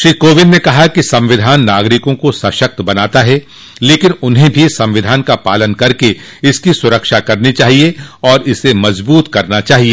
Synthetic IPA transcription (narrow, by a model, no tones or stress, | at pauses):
ʃɾiːkoːʋɪnnekɐɦakisɐ̃mʋɪd̪ʱaːnːaːɡɾɪkõkosɐʃək̚t̪bɐnaːt̪aɦɛ | leːkɪnʊnɦẽbʱisɐ̃mʋɪd̪ʱaːnkapaːlənkɐɾke | ɪskisʊɾəkʃakɐɾnit͡ʃaːɦieɔːɾɪsemɐzbuːt̪kɐɾnat͡ʃaːɦieː